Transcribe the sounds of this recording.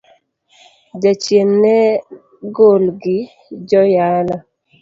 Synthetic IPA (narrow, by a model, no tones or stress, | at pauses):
d͡ʒat͡ʃjenːɛ | ɡolɡɪ | d͡ʒɔjala